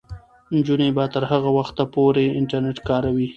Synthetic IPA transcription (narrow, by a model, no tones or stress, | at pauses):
nd͡ʒunebɑt̪əɾhaɣawaxt̪apoɾeɪɳʈaɾnɪʈkɑɾawi